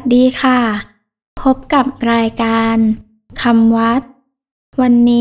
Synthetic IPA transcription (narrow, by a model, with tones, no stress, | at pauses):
t̪̚diː˧kʰa˥˩ | pʰo˦˥p̚ka˨˩p̚ɾaː˧jkaː˧n | kʰa˧mwa˦˥t̪̚ | wa˧nːiː˦